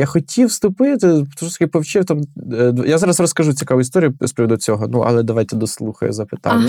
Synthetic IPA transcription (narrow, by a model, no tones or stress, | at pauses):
jaxɔtʲʰiwst̪ʊpɪt̪ɪt̪uʃɔt̪kʲɪpɔwt͡ʃɪwt̪amd̪jazɑɾɐsrɔskɐʒut͡sʲikaʋʊist̪ɔɾʲijʊspʲɾʲiʋɔd̪ut͡sʲɔɦɔnuʔɐ̰lˠɛd̪ɐʋajt̪ɛd̪ɔslˠuxɐ̰jʊ̰zɐpɪ̥t̪a̰nʲːɐ